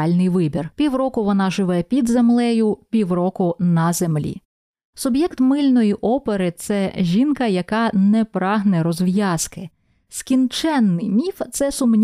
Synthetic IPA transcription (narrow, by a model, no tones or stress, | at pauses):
ɑlʲnɪjʋɪbʲirpʲiwɾɔkʊʋɔnɑʒɪʋɛpʲid̪zemlˠɛjʊpʲiwɾɔkʊnɐze̞mlʲḭ | sʊbjɛkt̪mɪlʲnɔjiʔɔpeɾɪt̪sɛʒʲinkɐjɐkɑnɛpɾɑɦnɛɾɔzʋjɑskɪ | skʲint͡ʃɛnːɪjmʲift̪sɛsʊmnʲ